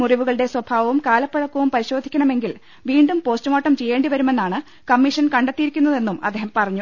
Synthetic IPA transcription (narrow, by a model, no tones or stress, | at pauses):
muriʋuɣɐɭɨɽe̞swɐbʱaːʋɐʋumkaːlɐpːɐɻɐkːuʋumpɐɾiɕo̞ːd̪ʱikʲːɐɳɐme̞ŋɡil | ʋiːɳɖumpo̞ːstɐmoːʈːɐmt͡ɕe̞jːe̞ːɳɖiʋɐɾume̞nːaːɳɨ | kɐmːiʂɐnkɐɳɖet̪ːijiɾikʲːunːɐðe̞nːumɐd̪ːeːɦɐmpɐrɐɲːu